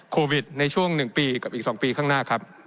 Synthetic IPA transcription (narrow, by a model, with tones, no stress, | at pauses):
kʰoː˧wi˨˩t̪̚na˧jt͡ɕʰu˥˩əŋnɯ˨˩ŋpiː˧ka˨˩p̚ʔiː˨˩ksɔː˩˦ŋpiː˧kʰaː˥˩ŋnaː˥˩kʰa˦˥p̚